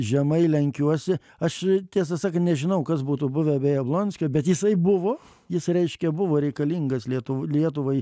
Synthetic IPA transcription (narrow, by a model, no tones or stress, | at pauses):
ʒʲɛmɐɪlʲɛŋʲkʲuɔsʲɪ | ɐʃt̪ʲiɛs̬ɐsɑːkɐnnʲɛʒʲɪnɐʊkɐsbuːt̪uːbʊʋʲɛɐbʲɛjɐblˠoːnʲsʲkʲoːbʲɛt̪jɪsɐɪbʊʋoː | jɪsɾʲɛɪʃʲkʲɛbʊʋoːɾʲɛɪkɐlʲiːŋɡɐslʲiɛt̪ʊʋlʲiɛt̪ʊʋɐɪ